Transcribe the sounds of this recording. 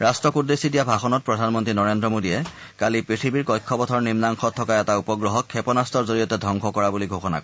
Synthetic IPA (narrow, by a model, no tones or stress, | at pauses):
ɹastɹɔkudesidijabʱaxɔnɔt̚pɹɔdʱanmɔntɹinɔɹendɹɔmodiɛ | kalipɹitʰibiɹkɔjkʰːɔbɔtʰɔɹnimnaŋxɔtʰːɔkaɛtaupɔɡɹɔɦɔkʰːɛpɔnastɔɹzoɹijɔtɛdʱɔŋkʰɔkɔɹabuliɡʱoxɔna̰kɔ